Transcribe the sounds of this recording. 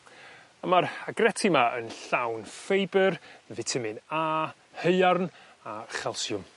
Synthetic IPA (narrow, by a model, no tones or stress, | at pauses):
əmaraɡrɛtʰimaʔə̰nɬawnfejbərvɪtʰəmɪnaː | həɨarn | aχɛlˠsjʊm